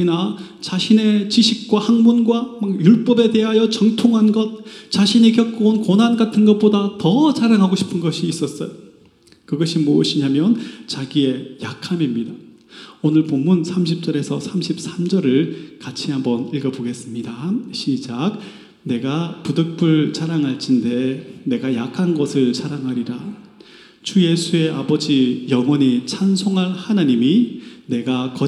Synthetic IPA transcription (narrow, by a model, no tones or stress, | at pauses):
ina | t͡ɕaɕʰine̞t͡ɕiɕʰik̚k͈wahaŋmunɡwamak̚juɭp͈ʌbe̞te̞ɦajʌt͡ɕʌŋtʰoŋɦanɡʌt̚t͡ɕaɕʰiɲikjʌk͈oonkonɦanɡatʰɯnɡʌt̚p͈odatʌt͡ɕaɾaŋɦaɡoɕʰi̥pʰɯnɡʌɕʰiːs͈ʌs͈ʌjo | kɯɡʌɕʰimoʌɕʰiɲamjʌnt͡ɕaɡie̞jakʰamimɲida | onɯɭpomːunsʰamɕ̬ʰip̚t͡ɕ͈ʌɾe̞sʰʌsʰamɕʰip̚s͈ʰamd͡ʑʌɾɯɭkat͡ɕʰiɦambʌniɭɡʌboɡe̞s͈ɯmɲidaɕʰid͡ʑaɡ̚ | ne̞ɡapudɯk̚p͈ɯɭt͡ɕaɾaŋɦaɭt͡ɕʰinde̞ne̞ɡajakʰanɡʌsʰɯɭsʰaɾaŋɦaɾiɾa | t͡ɕuje̞sʰue̞abʌd͡ʑijʌŋwʌɲit͡ɕʰansʰoŋɦanhanaɲimine̞ɡakʌ